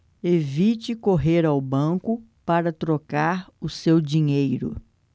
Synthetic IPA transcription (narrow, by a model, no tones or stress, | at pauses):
evit͡ʃɪkoɦeɾawbɐ̃kʊ | paɾɐt̪ɾokaɾʊsewd͡ʒiɲejɾʊ̰